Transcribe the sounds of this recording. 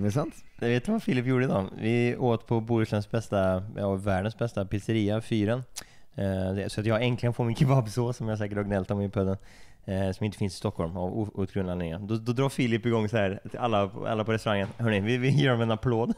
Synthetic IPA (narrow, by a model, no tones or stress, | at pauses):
d̪ɛsant̪javeːt̪ːəvafiːlɪpːjuːɖəɪd̪ɑːvɪoːt̪əpʰɔbuːɾʂənsbɛst̪ajɑːvæːɖənsbɛst̪apɪsəɾiːafyːɾən | sɔat̪jɑːɡɛŋklɪɡənfoːɾmɪnkʰɪbabsoːsɔmjɑs̬ɛːkəʈɔɾɡɪnɛlt̪ʰɔmɪpʰœd̪ːən | sɔmɪnt̪əfɪnsɪ̥st̪ɔkhɔlma̰vuːt̪ɡɾɵnanɪŋːɾəd̪ɔd̪ɔd̪ɾɑːfiːlɪpːɪɡɔŋːsahæːɾt̪ʰɪalːapʰɔ̰a̰lːapʰɔɾɛst̪ɾaŋːənhœːɳɪvɪɪjœːɖmɛɛnapʰloːd̪